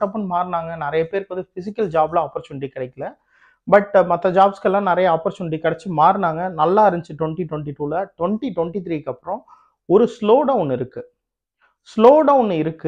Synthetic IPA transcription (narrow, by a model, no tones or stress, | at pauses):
ɐpːɾɐ̃nmaːɾnaːŋɡɐnɪɾɐjɐpeːɾkʋɐnd̪ɯfɪsɪkːɐld͡ʒaːblãɐːpːɾɐt͡ʃɐnʈikɐɽɐɪkːɐlɐ | bɐʈmɐt̪ːɐd͡ʒaːbskɛlːãːnɪɾɐjɐaːpːɾɐʃɐnʈikɐɽɐt͡ʃːɯmaːɾnaːŋɡɐnɐlːaːɐɾɐɲd͡ʒt͡ʃːɯʈwɔɳʈiʈwɔɳʈiʈuːlɐʈwɔɳʈiʈwɔɳʈit̪ɾiːkːɐpːɯɾɔ̃ | ɔɾɯsloːɖɐʊnɪɾɯkːɯ | sloːɖɐʊnɪɾɯkːɯ